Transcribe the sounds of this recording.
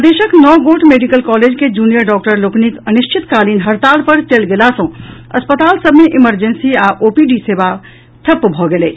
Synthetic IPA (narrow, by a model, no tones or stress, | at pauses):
d̪eʃəknɔɡoʈmeɖikəlkɔled͡ʒked͡ʒunijəɾɖɔk̚ʈəɾloknikəniʃt͡ʃʰit̪kalinɦəɾt̪alpəɾt͡ʃelɡelasə̃əspət̪aːlsəbʱmeʔiməɾd͡ʒənsiaʔopiɖiseba | t̪ʰəpːbʱɔɡele